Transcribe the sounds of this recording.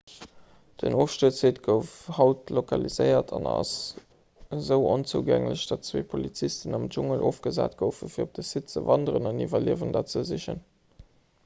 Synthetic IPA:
d̥ənoːfʃtəːt͡seːtɡ̥əʊfhɑʊtlokʰɑlizɜɪɐtʰɑnɑ̰s | zəʊʔont͡suːɡæŋləɕd̥ɑtt͡sweːpʰolit͡sistənɑmʒuŋəlʔoːfɡ̥əza̰ːtɡ̥əʊfəfiːɐop̚d̥əsit̚t͡səvɑndəʁənɑnivɐliəvəndɑt̚t͡səziɕə̰n

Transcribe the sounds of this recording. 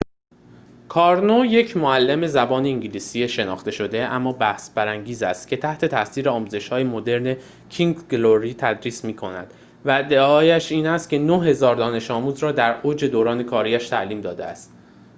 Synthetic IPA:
kʰɒːɾnoje̞cʰmoælːeme̞zæbɒːneiɲɟiliːsijeʃe̞nɒ̰ːχt̪e̞ʃo̞d̪e̞ʔæmːɒːbæhsbæɾæŋɟiːzæst̪̚cʲʰe̞t̪ʰæht̪ʰe̞t̪ʰæsiːɾeɒːmuːze̞ʃhɒːjemod̪e̞ɾne̞ | cʰiŋɡɡloɾiːt̪ʰæd̪ɾiːsmiːkʰo̞næ̰d̪̥ | væd̪eɒːjæʃiːnæst̪̚cʰʲe̞noɦe̞zɒːɾd̪ɒːne̞ʃɒːmuːzɾɒːd̪æɾʔoːd͡ʒe̞d̪oːɾɒːne̞kʰɒːɾiːæʃt̪ʰæʔliːmd̪ɒːd̪eæ̰st̪

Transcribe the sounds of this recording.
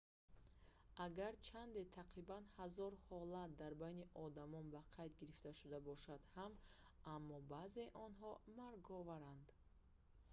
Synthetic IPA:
ʔaɡaɾt͡ʃʰand̪et̪ʰaqɾibanhazɔɾhɔlat̪̚d̪aɾbajniʔɔd̪amɔnbaqʰajd̪ɡiɾift̪aʃud̪abɔʃad̪ham | amːɔbaze̞ʔɔnɦɔmaɾɡɔvaɾand̪

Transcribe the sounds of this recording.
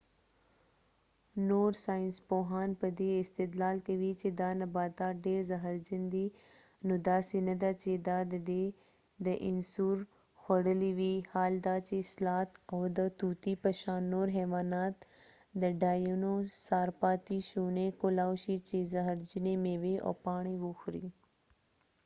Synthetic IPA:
noːɾsaːɪnspoːɦaːnpɐd̪eɪst̪ɪd̪laːlkɐʋit͡ʃed̪aːnɐbaːt̪aːɖeːɾzɐɦəɾd͡ʒind̪i | nod̪aːsinɐd̪aːt͡ʃeːd̪aːd̪d̪e | d̪əʔɪnsuːɾ | xɐɽəliʋihaːld̪aːt͡ʃeslaːt̪oːd̪ət̪uːt̪ipɐʃaːnːoːɾɦɛːʋaːnaːt̪ | d̪əɖaːjunosaːɾpaːt̪iʃuːnẽkolaːwʃit͡ʃezɐɦəɾd͡ʒinemẽʋio̰ːpaːɳ̃iʋoxɾiː

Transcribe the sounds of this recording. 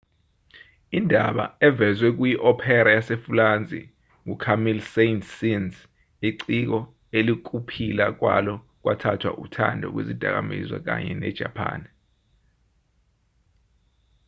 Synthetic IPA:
indʱaɓa̰ɛvɛzwɛk̬ujiʔɔpʰɛɾajasefuland͡zʱʼḭ | ŋukʰamilsentʰsinz | iǀik̬ɔ | elik̬ʼupʰilak̬wa̰lɔ | k̬watʰatʰwa̰ʔutʰandʱɔ̰k̬wḛzid̥ʱa̰k̬amḭzwa̰k̬a̰ɲɛnɛd̥ʒ̥ʱapʰa̰ːn

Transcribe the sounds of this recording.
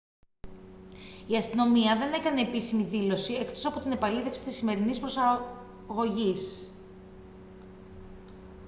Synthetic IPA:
iɐst̪ino̞miɐðe̞ne̞kɐneːpisimiðilo̞sie̞kt̪o̞sɐpo̞t̪ine̞pɐliθe̞fsi̥t̪isime̞ɾinispɾo̞sɐ | ɣo̞ʝis

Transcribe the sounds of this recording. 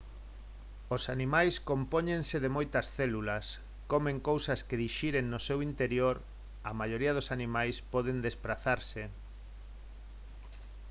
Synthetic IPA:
osanimajskompoɲẽnseðemojt̪ɐsθɛlulas | komẽŋkowsɐskeðiʃiɾeŋnosewint̪eɾjoɾ | ɐmajoɾiɐðosanĩmajspɔðend̪espɾaθaɾse

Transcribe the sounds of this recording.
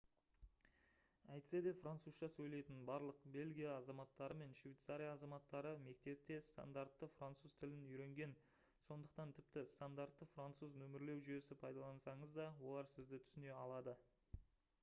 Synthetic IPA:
æjt̪ɪ̥se̞d̪e̞frant̪suzʃɑsɵjle̞jt̪ɪnbɑɾlˠəqbe̞lʲɡʲijaːzɑmɑt̪ːɑɾəme̞nʃvʲijt̪saɾʲijaːzɑmɑt̪ːɑɾəme̞k̚t̪e̞p̚t̪e̞st̪a̰nd̪aɾt̪ːəfrant̪suz̥t̪ʰɪlɪnʏjɾe̞ŋɡʲe̞n | so̞nd̪əq̚t̪ɑnt̪ʰɪpt̪ɪst̪and̪art̪ːəfrant̪suznɵmɪɾle̞wʒʏje̞sɪpʰɑjd̪ɑlˠɑnsɑɴəzd̪ɑwo̞lˠɑɾsɪzd̪ɪt̪ʰʏ̥sɪne̞ɑlˠɑd̪ə

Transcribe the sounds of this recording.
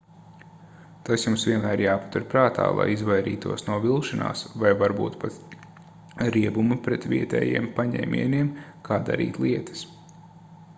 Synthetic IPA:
t̪asjumsʋʲiɛnmæːɾjaːpḁt̪uɾpɾaːt̪ʰa̰ːlˠa̰jizʋajɾḭːt̪uɔsnuɔvilˠʃana̰ːsvajvaɾbṵːt̪pat̪ | ɾiɛbumupɾɛt̪ʋʲiɛt̪ɛ̰ːjiɛmpaɲɛ̰ːmʲʔʲḭɛniɛmkʰaːd̪a̰ɾḭːt̪lˠiɛt̪ɐ̥s

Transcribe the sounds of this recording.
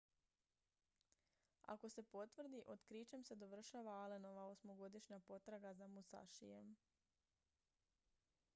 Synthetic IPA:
a̰ko̞se̞po̞t̪ʋr̩d̪iʔo̞d̪kɾit͡ʃemse̞d̪o̞ʋr̩ʃaʋaaleno̞ʋaosmo̞ɡo̞d̪iʃɲapo̞t̪ɾaɡazamusa̰ʃḭjem

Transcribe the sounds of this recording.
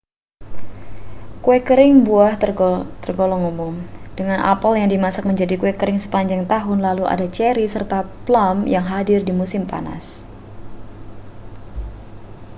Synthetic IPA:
kuɛkəɾɪŋbuaht̪ərɡɔlɔŋumʊmd̥əŋanʔa̰pəljaŋdimasak̚məɲd͡ʒadikuɛkəɾɪŋsə̥paɲd͡ʒaŋt̪aɦʊnlaluʔa̰dat͡ʃɛɾisərt̪aplamjaŋɦadɪrdimusɪmpa̰na̰s

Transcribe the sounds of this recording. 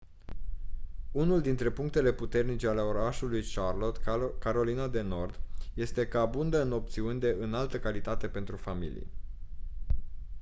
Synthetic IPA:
unuld̪int̪ɾe̞puŋk̚t̪e̞le̞put̪e̞rnit͡ʃe̞ale̞o̞ɾaʃulujʃarlo̞t̪kaɾo̞linad̪e̞no̞rd̪je̞st̪e̞kəabund̪əɨno̞p̚t̪siunʲd̪e̞ʔɨnalt̪əkalit̪at̪e̞pe̞nt̪ɾufamḭlḭje

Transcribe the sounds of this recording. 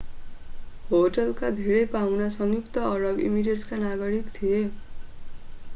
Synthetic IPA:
hoʈʌlkad̪ʱeɾʌjpawnasʌŋjukt̪ʌːɾʌbḭmiʈeskanaɡʌɾikt̪ʰie

